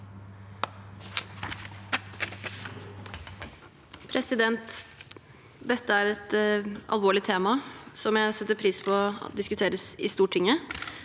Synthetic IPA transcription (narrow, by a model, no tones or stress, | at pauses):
pʰɾɛsɪd̪ɛnt̪ | d̪ɛt̪ːəæːɾɛt̪ʔɑ̰lʋoːɭɪt̪ʰeːmɑsɔmjæɪsɛt̪ːəɾpʰɾiːspʰɔ̰d̪ɪskʉt̪ʰeːɾəsɪst̪uːʈʰːɪŋːə